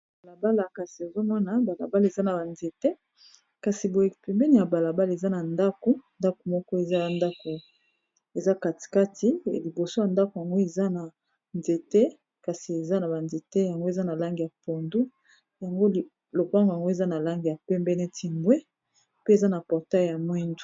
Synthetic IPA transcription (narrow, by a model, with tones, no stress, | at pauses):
ba˨la˨ba˦la˨ka˨si˨e˨zo˦mɔ˦na˨ba˨la̰˨ba˦le˨za˦na˨ba˨nze˨te˦ | ka˨si˨bo˨e˨pɛ˨mbɛ˦ni˦˨ja˨ba˨la˨ba˦le˨za˦na˨nda˦ko˨nda˦ko˨mɔ˦kɔ˦e˨za˦a˨nda˦ko˨ | e˨za˦ka˨ti̥˨ka˦tʰi˦˨li˨bo˨so˦ja˨nda˦ko˨ja˨ŋɡo˦e˨za˦na˨ | nze˨te˦ | ka˨si˨e˨za˦na˨ba˨nze˨te˦ja˨ŋɡo˦e˨za˦na˨la˦ŋɡi˨ja˨po˨ndu˦ | ja˨ŋɡo˦˨ | lo˨kwa˦ŋɡja˨ŋɡo˦e˨za˦na˨la˦ŋɡi˨ja˨pɛ˦mbɛ˦nɛ˦tʰi˨mbwe˦ | pe˦e˨za˦na˨pɔ˨ʁta˦˨ja˨mwɛ˦ndu̥˨